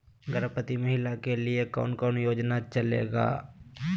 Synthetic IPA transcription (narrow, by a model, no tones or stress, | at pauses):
ɡəɾəpət̪imɐɦɪlakeliekɔ̰ːnkɔːnjoːd͡ʒnat͡ʃəlḛːɡa̰ː